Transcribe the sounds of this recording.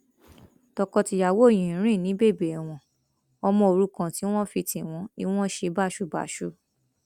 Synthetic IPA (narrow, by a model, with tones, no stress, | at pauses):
tɔ˧kɔ˧ti˧ja˨wo˦˨j̃ĩ˨˦ɾ̃ĩ˦˨nĩ˨˦be˦˨be˨ɛ˨w̃ɔ̃˨ | ɔ˧mɔ̃˧o˧ɾu˨˦kã˧ti˦w̃ɔ̃˦fi˧tĩ˨w̃ɔ̃˨˧˦i˧w̃ɔ̃˦ʃe˧˦ba˦˨ʃu˦ba̰˨ʃu˦